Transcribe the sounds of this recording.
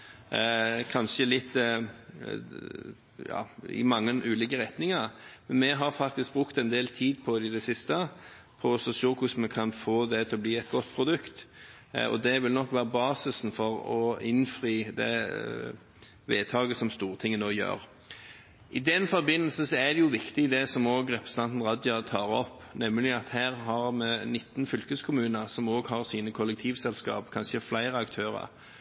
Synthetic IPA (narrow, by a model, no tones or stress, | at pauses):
kʰɑnʃəlɪt̪ː | jɑ̰ːɪ̰mɑŋːənʔʉːliːkəʁɛt̪nɪŋəɾmɛnmɛɦɑɾfɑk̚t̪ɪsk̚bɾʉkt̪ɛnd̪eːlt̪ʰiːd̪pʰɔɪd̪ɛsɪst̪əpʰɔsɔsoːkʰʊsmɛkʰɑnfoːd̪ɛt̪ʰɪlɔbliːɛt̪̚ɡɔt̪ːpʰɾʊd̪ʉkt̪ | ɔ̰d̪ɛʋɪlnɔkːʋæːɾəbɑːsɪsn̩fɔɾɔɪnfʁiːd̪ɛ̰ | ʋeːt̪ʰɑːɡəsɔmst̪uːʁət̪ʰɪŋːənoːjø̰ːɾ | ʔɪd̪ɛnfɔɾbɪnːəlsəsɔæd̪ɛjʊʋɪkt̪ɪɪd̪ɛsɔmoːɡɾɛpəst̪ɑnt̪n̩ʁɑd̪jɑt̪ʰɑːɾɔpnɛmːəlɪɑt̪hæːʁɦɑɾmɛnɪt̪ːnfʏlkəskʰʊmʉːnəʁsɔmoːɡɦɑʁsiːnəkʰʊlɛk̚t̪ʰiːʋsɛlskɑ̰ːpkʰɑnʃəflæɪɾəɑkt̪ʰøːʁə̰ɾ